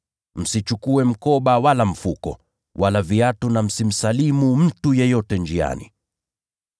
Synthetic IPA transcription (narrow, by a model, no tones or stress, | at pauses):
m̩sit͡ʃukuɛm̩kɔɓawalam̩fukɔ̰ | wʔalaviatunam̩sim̩salimum̩tujɛjɔtɛnd͡ʒia̰nḭ